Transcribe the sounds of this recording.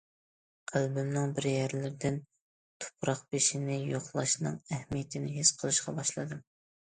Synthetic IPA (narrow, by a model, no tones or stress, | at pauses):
qʰælbɪmnɨŋbɪɾjæɾlɪɾd̪ɪn | t̪ʰʊ̥pʰɾɑqbeʃinɪjoχlˠɑʃnɨ̰ŋɛhmijt̪ʰɪnɪɦesqʰəlˠɨʃqɑbɑʃlˠɨd̪ɨ